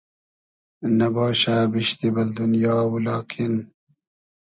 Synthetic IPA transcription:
nɐbɑːɕaːbiʃt̪ibɐld̪unjɑːwulɑːkʰin

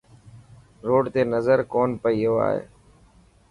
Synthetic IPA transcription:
ɾoːɖt̪eːnəzəɾkoːnpəiːɦoːa̰ːɦḛː

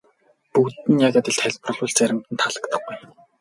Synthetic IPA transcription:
puːt̪ɘ̆njaɣaːt̪ĭɮt̪ʰæɮʲpr̆ɮʊ̆ɮt͡sæɾʲɪ̆mt̪ɘ̆nt̪ʰaɮə̆kt̪ə̆χɡuj

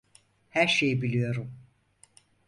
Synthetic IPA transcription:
hæɾʃejibilʲijo̞ɾum

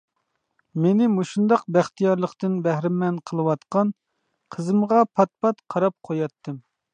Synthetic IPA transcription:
menɪmuʃund̪ɑq̚bæχt̪ʰijɑɾlˠəqt̪ɨnbæhɾɪmɛnqʰəlˠɨwɑt̪qɑn | qʰəzɨmʁɑpʰɑt̪̚pʰɑt̪qʰɑɾɑp̚qʰojɑt̪ːɨm

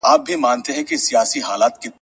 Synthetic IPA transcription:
aːp̚bʱimãːnt̪eɦɛ̃kesijaːsiɦaːlaːt̪̚ke

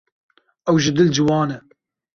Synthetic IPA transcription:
ɛwʒɨd̪ɨld͡ʒɨwɑːnɛ

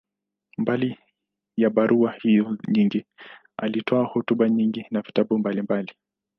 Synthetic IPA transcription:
mbali | jaɓaɾʔuahijɔɲiŋɡi | alitʰɔahɔtuɓaɲiŋɡinavitaɓumbalimbali

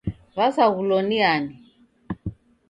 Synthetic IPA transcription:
βasaɣulɔniani

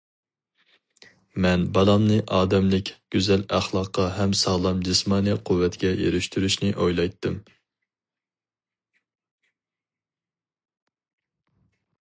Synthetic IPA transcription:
mɛnbɑlˠɑmnɨʔɑːd̪ɛmlɪkʲɡ̥ʲyzɛlæχlˠɑqʰːɑɦɛmsɑʁlˠɑmd͡ʒismɑːnɨqʰuwːɛt̪ɡʲɛjḛɾyʃt̪ʰyɾyʃnɪʔojlˠɑjt̪ʰːɨm

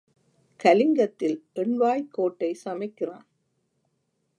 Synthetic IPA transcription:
kɐlɪŋɡɐt̪ːɪlʔɛɳʋaːjkːoːʈːɐɪsɐmɐɪkːɪraːn

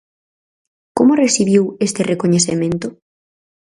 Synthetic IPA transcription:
komoresiβjiwest̪erekoɲeθemẽnt̪ʊ

